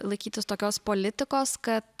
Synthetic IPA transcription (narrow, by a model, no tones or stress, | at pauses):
lˠɐɪkʲiːt̪ʲɪst̪oːkʲoːspolʲɪt̪ʲɪkoːskɐt̪